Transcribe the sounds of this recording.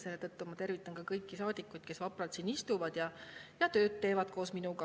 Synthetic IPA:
se̞lːet̪ɤt̪ːumɑt̪e̞rvit̪ːˑɑnkɑkɤjkːisɑːd̪̥ikːˑujd̪̥̚ke̞svɑprɑt̪sinist̪uvɑd̪̥jɑjɑt̪ø̞ːt̪ːe̞ːvɑd̪̥ko̞ːsminuɡɑ

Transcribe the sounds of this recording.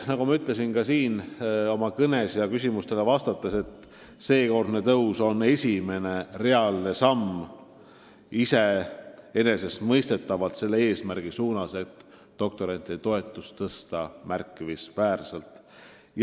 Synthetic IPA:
nɑɡumɑyt̪ˑle̞sinkɑsiːno̞mɑkɤne̞sjɑkysʲimust̪e̞le̞vɑst̪ɑt̪ːˑese̞t̪ː | se̞ːko̞rd̪ne̞t̪ɤwso̞ne̞sʲime̞ne̞re̞ɑlne̞sɑm | ise̞ | e̞ne̞se̞st̪mɤjst̪e̞t̪ːˑɑvɑlt̪se̞lːe̞e̞ːsmærɡ̥isuːnɑse̞t̪ː | d̪̥o̞k̚t̪o̞ɾɑnt̪ːˑit̪o̞e̞t̪ːˑust̪ɤst̪ɑmærkːˑivisvæːrselt̪ˑ | j

